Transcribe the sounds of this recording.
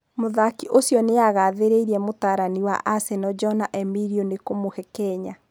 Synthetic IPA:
moðakiʔosjɔneaɣaːðeɾeiɾiɛmotaːɾaniwa̰ʔasɛnɔd͡ʒɔnaʔɛmiɾionekomohɛkɛːɲa

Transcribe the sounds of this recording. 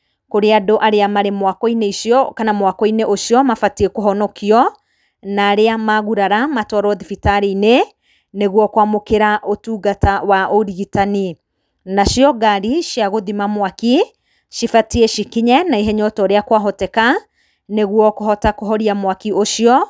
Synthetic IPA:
koɾeadoʔaɾeamaɾemwakɔineiʃjɔkanamwakɔineʔoʃiɔmafatiekoɦɔnɔkʰiɔ | naːɾeamaɣuɾaɾamatwaɾɔðifitaɾeine | neɣwɔkwamokeɾaʔotuːɡatawaʔoɾiɣitani | naʃjɔɡaɾiʃjaɣoðimamwaki | ʃifatieʃikiɲɛnaiɦeɲɔtɔɾeakwaɦɔtɛka | neɣwɔkoɦɔtakoɦɔɾiamwakioʃjɔ

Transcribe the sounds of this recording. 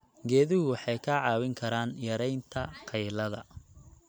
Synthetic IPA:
ɡɛːðɪɦʊwɑħɑjkʰaʕɑːwɪŋkʰɐɾaːnjɐɾɛjnt̪ʰɐqʰɛjlɐðɐ̰

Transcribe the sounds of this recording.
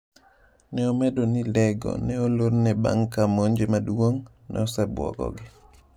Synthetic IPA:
nɛɔmɛdonilɛɡɔ̰nɛoloɾnɛba̰ŋkamoɲd͡ʒemaduoŋ | nɛ̰ɔsɛbwɔ̰ɡɔ̰ɡɪ

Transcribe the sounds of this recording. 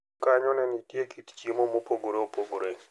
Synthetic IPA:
kaɲɔnɛnitjekitt͡ʃimomopoɡoɾeopoɡoɾe

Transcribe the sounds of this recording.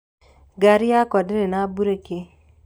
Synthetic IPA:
ɡaɾɪakɔdeɾenabuɾeke

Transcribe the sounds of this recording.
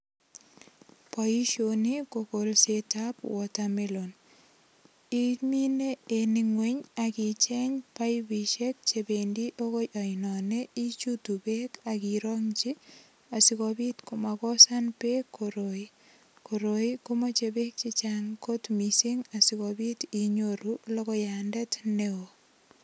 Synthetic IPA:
pɔiʃonikokolsetapwɔtamilon | imineeniŋweɲakit͡ʃɛɲpajbiʃek̚t͡ʃebendiʔokojʔɔinɔneit͡ʃutubekakiɾoŋt͡ʃi | asikobitkumakɔsanpekʰːoɾoi | koɾoikumot͡ʃebek̚t͡ʃit͡ʃaŋkotmisiŋasikobitiɲoɾulokɔjandɛtneo

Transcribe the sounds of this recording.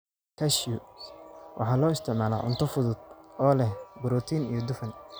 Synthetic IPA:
kʰɐʃjʊ | wʔɑ̰ħɑːlɔːɪst̪ʰɪʕmaːla̰ːʕʊ̰nt̪ʰɔfʊðʊd̪̚ɔːlɛhbʊɾɔːt̪ʰiːnḭjɔd̪ʊfɐn

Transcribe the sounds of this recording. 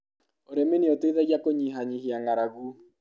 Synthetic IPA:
oɾemeneoteðɛɣjakoɲiɦaɲiɦiaŋaɾaɣu

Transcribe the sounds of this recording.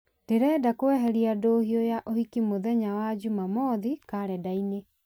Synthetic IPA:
d̥eɾɛːdakowɛɦɛɾiadoːhiɔjaʔohikimoðɛɲawad͡ʑumamɔðikaːɾɛdaine

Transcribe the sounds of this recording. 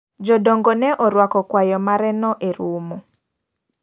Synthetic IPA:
d͡ʒɔdɔŋɡɔnɛʔɔɾwakɔkwajɔmaɾɛnɔʔeɾumu

